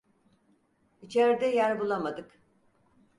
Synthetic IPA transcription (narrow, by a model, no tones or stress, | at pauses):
it͡ʃʰɛɾd̪ɛjæɾbulˠamad̪ɯk